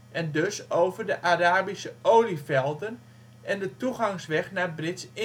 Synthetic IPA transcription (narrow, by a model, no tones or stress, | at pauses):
ʔɛndøsoːvərdəʔaraːbisəowlifɛlˠdən | ʔɛndətuɣaŋsʋɛχnabrɪtsɪ